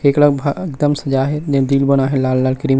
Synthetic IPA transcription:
keːkləɡbʱaɪkd̪əmsɐd͡ʒaɦɛd͡ʒẽd̪iːlbənaɦɛlaːlːaːlkɾim

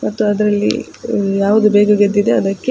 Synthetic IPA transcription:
mɐt̪ːuɐd̪ɐɾɐlːḭ | jaːʋud̪ubeːɡɐɡed̪ːid̪eɐd̪ɐkːe

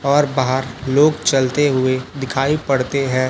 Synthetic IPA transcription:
ɔːɾbaːɦəɾloːɡt͡ʃɐlt̪eɦʊed̪ɪkʰaːipɐɽt̪eɦɛ̃ː

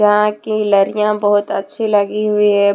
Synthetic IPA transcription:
ɐɦãkilɐɾijãbɐɦʊt̪ɐ̰tːʃʰilɐɡiɦʊiɦɛ̃

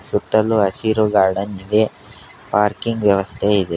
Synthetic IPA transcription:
sut̪ːɐlːuɐsiɾuɡaːɾɖɐnid̪e | paːɾkiŋɡʋjɐʋɐst̪ʰeid̪e

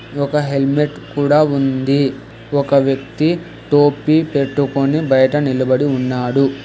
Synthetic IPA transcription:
ɔkɐɦe̞lmeʈkuːɽaːund̪i | ɔkɐʋjɐkt̪i | ʈoːpiːpe̞ʈːukonibɐjɐʈɐnilɐbɐɽiunːaːɽu

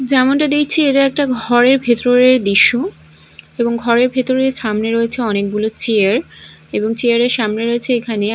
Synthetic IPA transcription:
d͡ʑɛmonʈad̪ekʰt͡ɕʰieʈaɛk̚ʈaɡʱɔɾeɾbʱet̪oɾeɾd̪iʃːo | eboŋɡʱɔɾeɾbʱet̪oɾeɾʃamneɾoet͡ɕʰeɔnek̚bulot͡ɕeaɾ | eboŋt͡ɕiaɾeɾʃamneɾoet͡ɕʰeekʰane

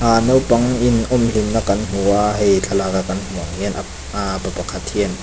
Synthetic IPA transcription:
ʔaːnowpɐŋinʔɔmlinnakanm̥uaɦejt͡ɬʰalaːkakanm̥uaŋŋɛnʔa | apapakʰat̪ʰhiən

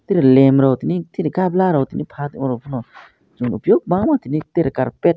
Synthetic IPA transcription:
t̪iɾilemɾɔwt̪init̪iɾikablaɾawt̪inipʰat̪mɔɾɔwpʰunɔ | d͡ʒunupjoɡ̚baŋmat̪init̪eɾka̰ɾpet̚

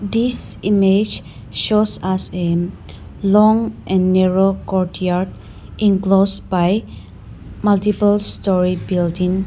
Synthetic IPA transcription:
d̪isimed͡ʒ | ʃosase | lɔ̃ŋʔɛ̃nːɛɹokɔɹʈjaɾd | ʔĩŋklosbaj | mʌltipəlstɔɹibildĩŋ

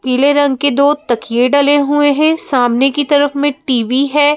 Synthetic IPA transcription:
piːleɾɐ̃ŋɡked̪oːt̪ɐkjeɖɐleɦueɦɛ̃saːmnekit̪ɐɾəfmẽʈiːʋiɦɛː

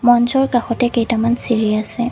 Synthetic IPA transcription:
mɔnzɔɹkaxɔtɛkejtamansiɹiasɛ

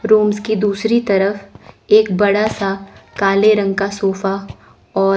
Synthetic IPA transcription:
ɾoːmzkid̪uːsɾit̪ɐɾəfeːkbɐɽasakaːleɾɐ̃ŋɡkasoːfa | ɔː

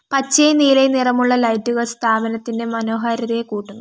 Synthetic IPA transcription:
pɐt͡ɕːejniːlenirɐmuɭːɐlɐjtːuɣɐst̪ʰaːbɐnɐt̪ːinde̞mɐno̞ːɦaːɾɐðɐekuːʈːunːu

